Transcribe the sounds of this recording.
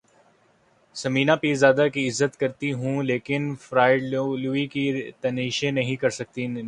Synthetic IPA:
sɐmiːnapiːzjaːd̪akiɪzːət̪kɐɾt̪iɦũleːkɪnfɾaːɪɖluikit̪ɐniːʃẽnɐɦĩkɐɾsɐk̚t̪in

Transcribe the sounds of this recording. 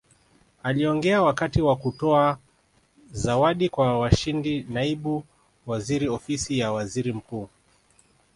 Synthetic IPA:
aliɔŋɡɛawakatiwakutɔa | zawaɗikwawaʃindinaiɓu | waziɾiɔfisijawaziɾim̩kuː

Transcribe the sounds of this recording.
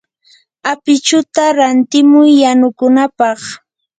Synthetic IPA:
apɪt͡ʃʊt̪aɾant̪ɪmʊjːanʊkʊnapɑχ

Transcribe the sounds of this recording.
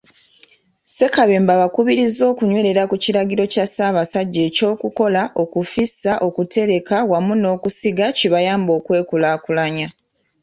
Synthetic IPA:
se̞kaβe̞ːmbaβakuβiɾizo̞ːkuɲwe̞ɾe̞ɾakuciɾaɡiɾo̞casaːβasaɟːe̞ːco̞ːkuko̞laʔo̞kufisaʔo̞kute̞ɾe̞kawamuno̞ːkusiɡaciβajaːmbo̞ːkwe̞ːkulaːkulaɲa

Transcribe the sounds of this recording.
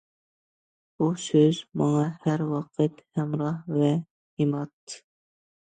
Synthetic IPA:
busøzmɑŋɑhæɾwɑqʰət̪hɛmɾɑhvɛ | jimɑt̪ʰːɨ̥

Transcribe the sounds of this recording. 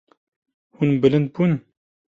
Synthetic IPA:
hunbɨlɨnd̪̚bun

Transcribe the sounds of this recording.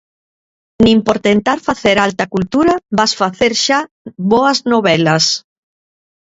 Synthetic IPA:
nimpoɾt̪ent̪aɾfaθeɾalt̪ɐkult̪uɾɐbasfaθeɾʃa | βoɐznoβɛlɐs

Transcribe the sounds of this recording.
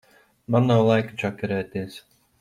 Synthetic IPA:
mannawlˠajkat͡ʃakʲaɾɛːt̪ʲiːs

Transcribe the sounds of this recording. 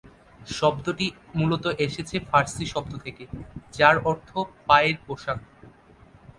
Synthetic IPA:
ʃɔbd̪oʈimulot̪oʔeʃet͡ɕʰefʰaɾsiʃɔb̚d̪ot̪ʰeked͡ʑaɾɔɾt̪ʰopaeɾpoʃak̚

